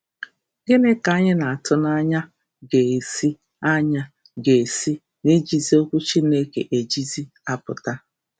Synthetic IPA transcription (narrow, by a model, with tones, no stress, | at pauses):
ɡe˦ne˦ka˦ɲɪ˦na˨a˨tʊ˦na˦ɲa˦ | ɡe˨e˨si˦ | a˦ɲa˦ | ɡe˨e˨si˦ | ne˦d͡ʒi˨zi˦o˦kʷu˦t͡ʃi˦ne˦kḛ˨ʔe˨d͡ʒi˦zi˦ | a˦pʊ˨ta˦